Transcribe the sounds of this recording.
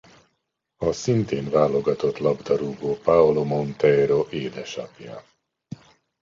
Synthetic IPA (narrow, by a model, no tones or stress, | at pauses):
ɒsint̪eːnvaːlo̞ɡɒt̪o̞t̪lɒbd̪ɒɾuːɡoːpaolomo̞nt̪ɛɾoʔeːd̪ɛʃɒ̰pja̰